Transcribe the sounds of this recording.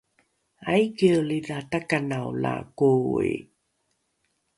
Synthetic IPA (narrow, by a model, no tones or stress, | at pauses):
ajkeəliðatakanawla̰koḛ